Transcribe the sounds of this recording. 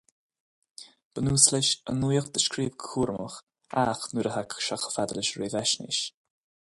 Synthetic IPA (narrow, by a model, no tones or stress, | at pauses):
b̥ənuːslɪʃə̰nujəxd̪əʃkɾiːvɡkʰuːɾmə̰x | axnuɾəɦakʃaxə̥fad̪lɪʃɾeːvɛʃnɪ̰ʃ